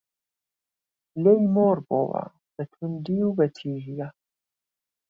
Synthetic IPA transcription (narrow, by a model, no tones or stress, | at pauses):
lejmoːɾbo̰wa̰ | b̥ɐt̪ʰund̪iwbɐt̪ʰiːɦija